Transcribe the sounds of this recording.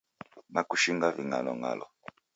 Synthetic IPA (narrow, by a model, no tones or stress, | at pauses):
nakuʃiŋɡaviŋanɔŋa̰lɔ